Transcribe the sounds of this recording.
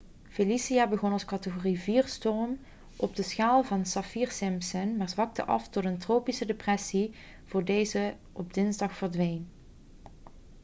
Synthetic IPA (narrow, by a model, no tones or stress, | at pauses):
felisiaːbəɣɔnɑlˠskɑtəɣoriviːrstɔrm | ʔɔb̚dəsxaːlˠvɑnsɑfiːrsɪmpsənmaːɹzʋɑk̚tə̰ʔɑ̰ftɔtəntrowpisədeprɛsi | v̥ʊːɹdejzə | ʔɔb̚dɪnzdɑxfəɹdʋejn